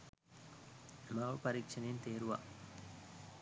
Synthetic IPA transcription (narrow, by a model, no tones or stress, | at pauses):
mɐʋɐpɐɾikʂɐneːnt̪eːɾuʋa̰